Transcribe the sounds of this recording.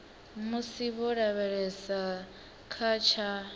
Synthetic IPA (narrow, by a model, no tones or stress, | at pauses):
musiβɔɺaβɛɺɛsa | kʰat͡ʃʰa